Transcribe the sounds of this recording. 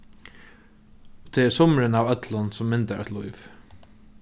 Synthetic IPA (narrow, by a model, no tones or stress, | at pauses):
ɔt̪ʰeːɛɾsɔmɾɪnawœt̪lʊnsʊmːɪnt̪aʔɛ̰t̪lujv